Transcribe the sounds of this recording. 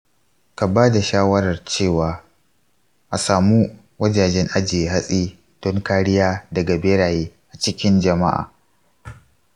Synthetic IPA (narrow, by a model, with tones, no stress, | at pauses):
ka˨baː˦da˨ʃaː˦wɐ˦ɾɐ˨rt͡ʃeː˦˨waː˨ | ʔa˨saː˨mu˦ | wɐ˦d͡ʒaː˨d͡ʒɛ˦ŋʔa˦d͡ʒeː˨ɦa˦sʼiː˦ | d̥ɔ˦ŋkaː˦ɽɪ˦jaː˦dɐ˨ɡa˨beː˦ɽaː˨jeː˦ | ʔa˨t͡ʃɪ˦kʲɪ˦nd͡ʒɐ˨ma̰˦ʔa̰ː˨